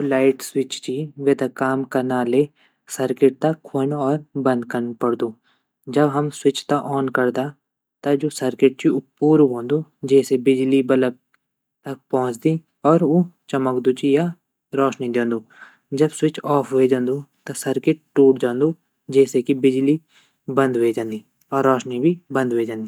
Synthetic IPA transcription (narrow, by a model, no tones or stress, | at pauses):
olaːɪʈswɪt͡ʃt͡ʃʰiʋeːt̪akaːmkɐnaːle | səɾkɪʈ̚t̪ɐkʰːonɔːɾbɐ̃nd̪kəɾnpɐɽd̪uː | d͡ʒɐbɦɐmswɪt͡ʃt̪aʔɔːnkɐɾd̪a | t̪ɐd͡ʒoːsɐɾkɪʈ̚t͡ʃiʊpuːɾɦõːnd̪ud͡ʒɛːsebɪd͡ʒlibɐləb̚ | t̪ɐk̚pɔ̃ɦʊ̃t͡ʃd̪ĩː | ɔːɾot͡ʃɐməkd̪ut͡ʃija | ɾɔːʃnid̪ẽːnd̪uː | d͡ʒɐbsʊɪt͡ʃʰɔːpʰʋed͡ʒãːnd̪ut̪ɐsɐɾkɪʈ̚ʈuːʈd͡ʒãːnd̪u | d͡ʒɛːsekibɪd͡ʒli | bə̃nd̪ʋeːd͡ʒãːnd̪iː | ɔːɾːɔːʃnibʱibə̃nd̪ʋed͡ʒãːnd̪iː